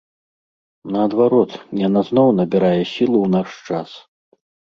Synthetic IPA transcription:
nɐːd̪vaɾɔt̪janaznɔwnɐbʲiɾajɛsʲilˠuwnaʂt͡ʂas

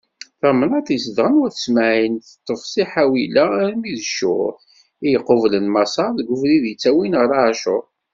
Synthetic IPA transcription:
θæmənæθjəsədʁənwæθəsmæʕinθə̥t̪ˤːəfsˤiħawilæɾmiðʃʊ̰ɾ | ijəqːovlənmɑsɑɾˤðɡʷʊfliðjət͡sːæwinʁəɾˤaʕʃʊɾ

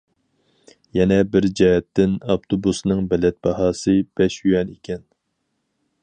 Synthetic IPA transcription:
jɛnɛbɪɾd͡ʒɛɦɛt̪ʰːɪnɑpt̪ʰobusnɨŋbɛlɛt̪̚bɑɦɑːsɨb̥ɛʃjyjɛnekʲʰɛn

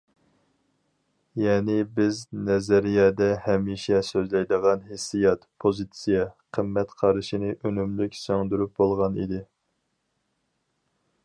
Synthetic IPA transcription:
jɛːnɪbɪznɛzæɾijɑːd̪ɛhɛmiʃɛsøzlɛjd̪əʁɑnɦesːijɑt̪pʰozit̪sijɛqʰəmːɛt̪qʰɑɾɨʃinɨʔønymlykʲsøŋd̪yɾyp̚bolˠʁɑnḭd̪ɪ

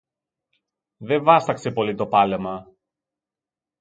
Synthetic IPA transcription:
ðe̞ɱvɐst̪ɐkse̞po̞lit̪o̞pɐlemɐ

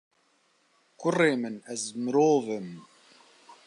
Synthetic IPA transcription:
kʊrːeːmɨnæzmɨɾoːvəm

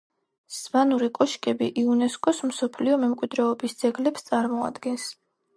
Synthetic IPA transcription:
svanuɾikʼɔʃkʼɛbiʔiunɛskʼɔsmsɔpʰliɔmɛmkʼwid̪ɾɛɔbisd̪z̥ɛɡlɛpst̪sʼaɾmɔa̰d̪ɡɛns

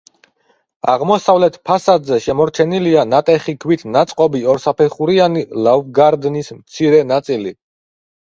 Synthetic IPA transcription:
a̰ʁmɔsavlɛt̪ʰpʰasad̪zɛʃɛmɔɾt͡ʃʰɛnilianat̪ʼɛχikʰwit̪ʰnat̪sʼqʼɔbiɔɾsapʰɛχuɾianilavɡaɾd̪nismt̪sʰiɾɛnat̪sʼili

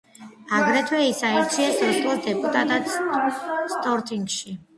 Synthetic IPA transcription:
aɡɾɛt̪ʰwɛisaiɾt̪sʰiasɔsʼuɾd̪ɛpʼut̪ʼat̪ʼat̪ | st̪ʼɔɾt̪ʼiŋɡʃi

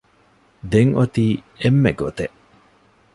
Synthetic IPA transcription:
d̪eŋʔot̪iː | emːeɡot̪eʔ

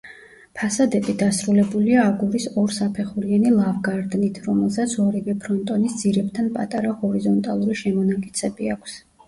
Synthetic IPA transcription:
pʰasad̪ɛbid̪asɾulɛbuliaːɡuɾisɔɾsapʰɛχuɾianilˠavɡaɾd̪nit̪ʰɾɔmɛlˠsat̪sʰɔɾɛɡɛpʰɾɔnt̪ʼɔnisd̪z̥iɾɛb̚t̪ʰanpʼat̪ʼaɾahɔɾizɔnt̪ʼalˠuɾiʃɛmɔnakʼit̪sʰɛbiakʷʰs

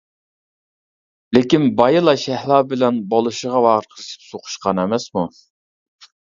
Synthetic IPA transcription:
lekʲinbɑjɨlˠɑʃɛhlˠɑːbɪlɛnbolˠɨʃəʁɑwɑːʁəɾqʰəɾɨʃi̥psoqʰʊ̥ʃqɑnɛmɛsmu

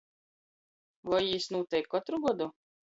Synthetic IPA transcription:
vɔjisnuːt̪ɛjkːɔt̪ɾuɡuɔd̪u

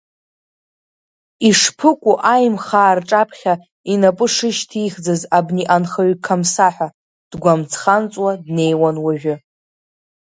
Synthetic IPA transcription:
iʂpʰɨkʷʼuʔajmχaːrʈ͡ʂʼapʰχʲa | inapʼɨʂɨʃtʰiχd͡zazabniʔanχaɥkʰamsaħʷᶣa | d̥ɡʷamt͡sʰχant͡sʼwadne̞jwanwaʒᶣʷʊ

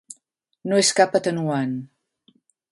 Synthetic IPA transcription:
noeskapət̪ənuan

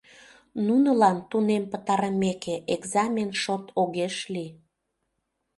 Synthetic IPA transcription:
nunəlɑnt̪unempət̪ɑɾəmekeʔeɡzɑmʲenʃot̪ʰoɣeʃli

